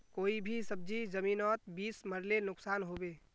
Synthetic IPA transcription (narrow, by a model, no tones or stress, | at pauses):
koːibʱisəb̚d͡ʒizəmiːnɔːt̪̚biːsməɾlenʊksaːnɦobeː